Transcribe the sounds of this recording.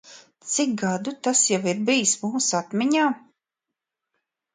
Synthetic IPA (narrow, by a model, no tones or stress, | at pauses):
t̪sik̚ɡad̪ut̪asjawiɾbijsmuːsat̪miɲaː